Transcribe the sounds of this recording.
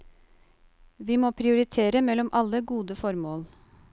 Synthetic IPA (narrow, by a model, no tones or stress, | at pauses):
ʋiːmoːpʰɾɪʊɾɪt̪ʰeːɾəmɛlɔmʔɑləɡuːd̪əfɔɾmoːl